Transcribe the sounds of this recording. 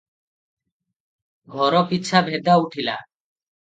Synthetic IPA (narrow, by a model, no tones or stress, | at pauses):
ɡʱɔɾɔpit͡ʃʰabʱed̪auʈʰila̰